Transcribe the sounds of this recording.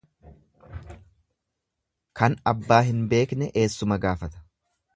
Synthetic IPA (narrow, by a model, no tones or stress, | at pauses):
kɐnɐbːaːɦɪnbe̞ːknɛʔe̞ːsːʊmɐɡaːfɐt̪ɐ̥